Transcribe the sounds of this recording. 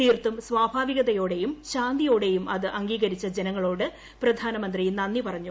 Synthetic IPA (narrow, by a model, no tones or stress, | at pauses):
t̪iːrt̪umsʋaːbʱaːʋiɣɐðɐjo̞ːɽe̞jumɕaːnd̪ijo̞ːɽe̞jumʔɐðɨʔɐŋɡiːɣɐɾit͡ɕːɐd͡ʑenɐŋːɐɭo̞ːɽɨ | prɐd̪ʱaːnɐmɐnd̪rijnɐnːipɐrɐɲːu